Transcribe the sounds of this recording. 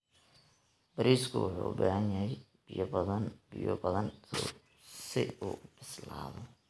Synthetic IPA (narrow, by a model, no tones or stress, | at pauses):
b̥ɐɾiːskʰʊwʊħuːbaːhɐnjɐɦɛj | bɪjbðɐnbɪjɔbɐðɐn | sɪuːbɪslaːðɔ